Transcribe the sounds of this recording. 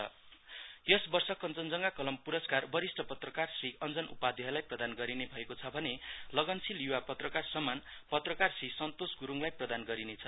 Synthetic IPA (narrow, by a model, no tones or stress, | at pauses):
ʌ̰ | jʌsbʌrsʌkʌnt͡sʌnd͡zʌŋɡakʌlʌmpuɾʌskarbʌɾisʈʰʌpʌt̪rʌkarsriʌnd͡zʌnṵpad̪ʱiɦʌlajprʌd̪anɡʌɾinebʱʌekot͡sʰʌbʱʌnelʌɡʌnsiljuwapʌt̪rʌkarsʌmanpʌt̪rʌkarsrisʌnt̪osɡuɾuŋlajprʌd̪anɡʌɾinet͡sʰʌ